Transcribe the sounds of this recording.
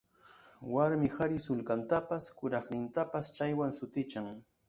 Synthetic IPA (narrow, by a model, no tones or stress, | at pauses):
waɾmɪxaɾɪsʊlkant̪apaskʊɾɑχnɪnt̪apast͡ʃajwaŋsʊt̪ɪt͡ʃaŋ